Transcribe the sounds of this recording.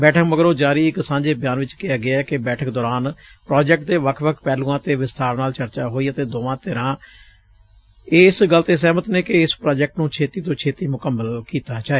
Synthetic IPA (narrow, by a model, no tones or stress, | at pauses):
bɛːʈʰəkməɡəɾoːd͡ʒaːɾiːɪksãːɲd͡ʒeːbjaːnʋɪt͡ʃkɪjaːɡɪaːɛːkɪbɛːʈʰəkd̪ɔːɾaːnpɾaːd͡ʒɛk̚ʈ̚t̪eːʋəkʰʋəkʰpɛːlũːãːt̪eːʋɪst̪aːɾnaːlt͡ʃəɾt͡ʃaːɦoːiːət̪eːd̪oːʋãːt̪ɪɾãː | esɡəlt̪eːs̬ɛːmət̪neːkɪɪspɾaːd͡ʒɛk̚ʈnũːt͡ʃʰeːt̪iːt̪õːt͡ʃʰeːt̪iːmʊkəmːəlkiːt̪aːt͡ʃaːeː